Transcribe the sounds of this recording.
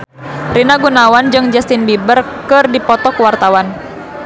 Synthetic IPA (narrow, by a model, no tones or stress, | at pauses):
rinaɡunawand͡ʒɨŋd͡ʒast̪inbibərkɨrdipɔt̪ɔkuwart̪awan